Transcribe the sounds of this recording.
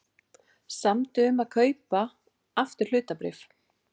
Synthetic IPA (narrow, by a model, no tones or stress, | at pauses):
samt̪ʏʏmaðkʰœːɥpa | aft̪ɪɾ̥l̥ʏːt̪apɾɪ̰f